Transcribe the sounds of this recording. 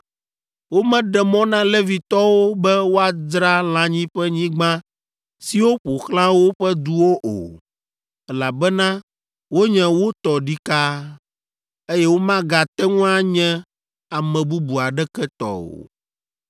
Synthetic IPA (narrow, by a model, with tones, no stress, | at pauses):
wo˦mɛ̃˦ɖɛ˨mɔ̃˦nã˦le˦vi˨t̪ɔ˦wo˦bɛ˦wo˦a˨dɾa˦l̃ã˦ɲĩ˦ɸɛ˦ɲĩ˦ɡ͡bã˦ | si˨wo˦ɸo˨xlã˦wo˦ɸɛ˦d̪u˦wo˦ʔo̰˨ | ɛ˦la˨bɛ˦nã˦ | wo˦ɲɛ̃˦wo˦t̪ɔ˨ɖi˦ka˦ | e˦jɛ˦wo˦mã˦ɡa˨t̪ɛ˦ŋũ˦a˦ɲɛ̃˦ | a˨mɛ̃˨bu˦bu˨a˨ɖɛ˦kɛ˦t̪ɔ̰˨o̰˨